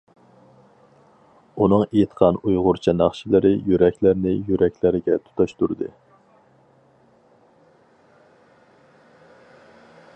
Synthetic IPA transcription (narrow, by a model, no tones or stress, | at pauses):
unɨŋejit̪qʰɑnujʁʊɾt͡ʃʰɑnɑχʃilˠɨɾɪjyɾɛkʲlæɾnɪjyɾɛkʲlɪɾɪɡʲɛt̪ʰu̥t̪ʰɑʃt̪uɾd̪ɨ̰